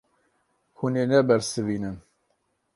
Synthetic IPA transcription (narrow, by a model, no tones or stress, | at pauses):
huneːnɛbɛɾsɨviːnɨn